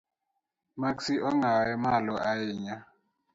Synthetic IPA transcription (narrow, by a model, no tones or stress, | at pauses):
maksiʔɔŋaɛmalɔʔajɪːɲa